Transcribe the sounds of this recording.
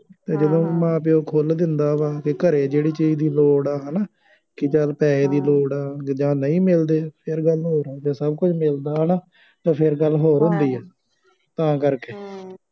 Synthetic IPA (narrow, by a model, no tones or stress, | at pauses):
t̪eːd͡ʒəd̪õːmãːpɪoːkʰold̪ɪnd̪aːʋaːkɪkəɾeːd͡ʒeːɽiːt͡ʃiːd͡ʒd̪iːloːɽaːɦənaː | kɪt͡ʃəlpɛːeːd̪iːloːɽaːd͡ʒãːnəĩːmɪld̪eːpʰɪɾɡəlɦoːɾaːd͡ʒãːsəb̚kʊt͡ʃʰmɪld̪aːɦnaː | t̪ãːpʰɪɾɡəlːɦoːɾɦʊ̃nd̪iːɛː | t̪ãːkəɾkeː